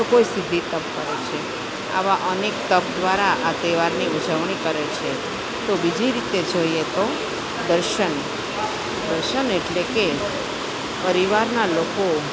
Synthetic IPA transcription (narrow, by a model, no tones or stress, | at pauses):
okoesid̪ʱːit̪əp̚kəɾet͡ʃʰe | a̰ʋaʔənek̚t̪əp̚d̪ʋaɾaʔat̪eʋaɾniud͡ʒəʋɳikəɾet͡ʃʰe | t̪obid͡ʒiɾit̪ed͡ʒoiet̪o | d̪əɾʃən | d̪əɾʃəneʈleke | pəɾiʋaɾnaloko